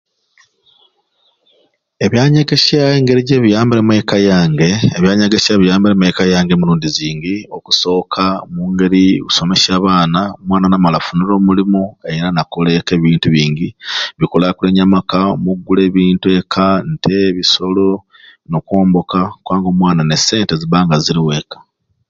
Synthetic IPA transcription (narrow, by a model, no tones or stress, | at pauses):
e̞βjaːɲeɡesaeːŋɡe̞ɾiɟeβijaːmbiɾemwekajaːŋɡe̞eβjaːɲeɡesaβijaːmbilemekajaːŋɡeːmuɾuːndiziːŋɡio̞ku̥so̞ːkʰamuːŋɡe̞ɾikuso̞me̞ʃaːβaːnaomwaːnanamalafuniɾo̞ːmulimue̞iɾanakole̞ke̞ːβiːntuβiːɲɟiβikolakule̞ːɲamakaomuɡːule̞ːβiːntue̞kʰantʰe̞βiso̞lo | no̞kwo̞ːmbo̞kakwaːŋɡo̞ːmwaːnane̞se̞ːnte̞ziβaːŋɡaziɾiwe̞ːkḁ